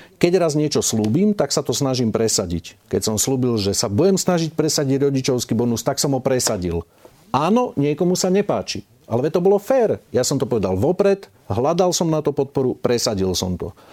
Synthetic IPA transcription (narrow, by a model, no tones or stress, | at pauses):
kɛɟɾazɲɪɛt͡ʃɔsluːbiːmt̪aksat̪ɔsnaʒimpɾɛsaɟḭckɛcsɔmsluːbilʒɛsabuɟɛmsnaʒic̚pɾɛsaɟiɟɾɔɟit͡ʃɔʊskibɔnust̪aksɔmɦɔpɾɛsaɟḭl | aːnɔɲɪɛkɔmusaɲɛpaːt͡ʃi | ʔalɛʋɛt̪ɔbɔlɔfɛːɾjasɔmt̪ɔpɔʋɛd̪alʋɔpɾɛt̪ | ɦlad̪alsɔmnat̪ɔpɔt̪̚pɔɾupɾɛsaɟilsɔ̰mt̪ɔ̰